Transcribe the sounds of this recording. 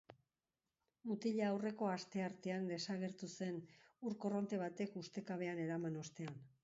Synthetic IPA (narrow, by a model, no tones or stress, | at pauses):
mut̪iʎaawre̞ko̞ast̪e̞aɾt̪e̞and̪e̞saɣ̞e̞ɾt̪use̞nuɾko̞ro̞nt̪e̞β̞at̪e̞kust̪e̞kaβ̞e̞ane̞ɾamano̞st̪e̞an